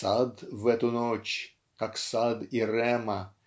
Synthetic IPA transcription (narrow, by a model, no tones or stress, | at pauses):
sad̪vɛt̪ʊnot͡ɕ | kaksad̪iɾɛmɐ